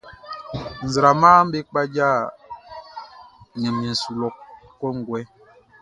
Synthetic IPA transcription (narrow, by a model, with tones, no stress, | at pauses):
n̩˨zɾa˨ma˦m̩˦be˦k͡pa˦d͡ʒa˦˨ | ɲɛ˨mɲi˨n̩˨su˨lɔ˨kkːɔ˦ŋ˨ɡwɛ˦